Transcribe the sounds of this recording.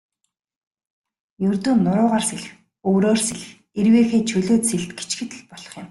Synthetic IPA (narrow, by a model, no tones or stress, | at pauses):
jɵrt̪uːnːʊɾʊːʁaːrseɮx | ɵːɾoːrseɮ̆x | erweːxeːt͡ɕʰɵɮoːt̪seɮt̪ɡe̥t͡ɕɡɘ̆t̪̆ɮpɔɮ̥ɞ̆χjɪ̆m